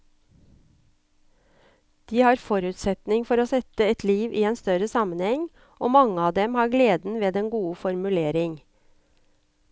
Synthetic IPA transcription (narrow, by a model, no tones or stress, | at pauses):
d̪̥iːhɑːɾfɔɾʉːt̪sɛt̪nɪŋfɔɾoːsɛt̪əɛt̪ʰliːʋʔiːeːnst̪œɾəsɑmənhɛŋ | ʔoːmɑŋəɑːd̪ɛmhɑːɾɡleːd̪n̩ʋeːd̪ɛnɡuːəfɔɾmʉleːɾɪŋ